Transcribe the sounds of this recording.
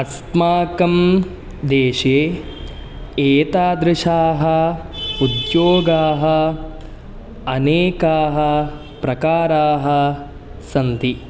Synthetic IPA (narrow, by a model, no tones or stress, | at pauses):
ɐst̪maːkɐm | d̪eːʃeː | eːt̪aːd̪ɾɪʃaːɦɐ̆ud̪joːɡaːɦɐ̆ | ɐneːkaːɦɐ | pɾɐkaːɾaːɦɐ̆ | sɐnt̪i